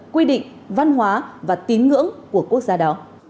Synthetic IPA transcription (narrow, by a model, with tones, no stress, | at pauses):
kwi˧ɗḭ̈˧˨ŋ̟ | va˧nɦwaː˨˦vaː˨˩t̪i˨˦ənŋɨ̰˧˥əŋku˧˩əku˦˥ək̚zaː˧ɗɔ˨˦